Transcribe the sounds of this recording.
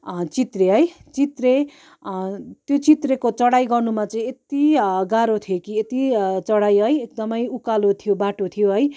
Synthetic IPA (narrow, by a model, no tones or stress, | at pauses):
t͡sit̪reɦʌjt͡sit̪re | t̪jot͡sit̪rekot͡sʌɽajɡʌrnumat͡saĩet̪iɡaɾot̪ʰijokiet̪it͡sʌɽajɦʌjek̚d̪ʌmʌjukalot̪ʰijobaʈot̪ʰijoɦʌj